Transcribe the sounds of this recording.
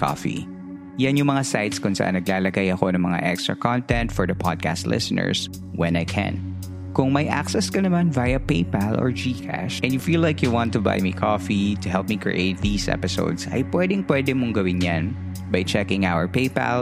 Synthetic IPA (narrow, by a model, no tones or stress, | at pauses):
kʰɔ̰fḭ | janjʊŋmɐŋasajt̪skʊnsɐʔa̰nːɐɡlaːlɐɡajɐkonɐ̃ŋmɐŋa̰ʔɛkst̪ɹɐ̰kɔ̃nt̪ɛ̃nt̪fɔɹðɐpʰɔd̪̚kʰast̪lʔɪ̰sənɛ̰ɹs | wɛ̃najkʰɛ̰̃n | kʊŋmɐjʔa̰ksɛskɐnɐmanvajɐpejpalʔɔ̰ɹd͡ʒiːkʰa̰ʃʔɛ̃njʊfiːlːajkjuwɑ̃nt̪ːʊba̰jmikʰɔfit̪ʊɦɛlˠp̚mikɹḭʔeɪt̪̚ðiːsʔɛ̰pɪso̰ʊd̪sɐ̰jpwɛd̪ɪŋpwɛd̪ɛmʊŋɡɐwɪnjãn | bɐjt͡ʃɛkɪ̃ŋʔawəɹpeɪpa̰l